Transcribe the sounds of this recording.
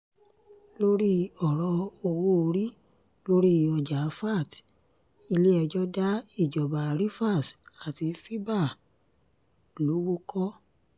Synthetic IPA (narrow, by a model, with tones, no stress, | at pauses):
lo˦ɾi˦ɔ˨ɾɔ˧˦o˧wo˦o˧ɾi˦ | lo˦ɾi˦ɔ˧d͡ʒa˨˦fa˦˨t | i˧le˦ɛ˧d͡ʒɔ˦da˦i˦˨d͡ʒɔ˨ba˨ɾi˦fa˦˨sa˨ti˧fi˦ba˦˨ | lo˨˦wo˦kɔ˦